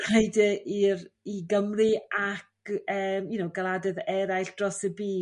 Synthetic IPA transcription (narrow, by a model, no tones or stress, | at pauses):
kʰejdəʔiriɡəmrɨakəːmjunowɡalˠadɨðɛɾajɬd̥rɔsəbiː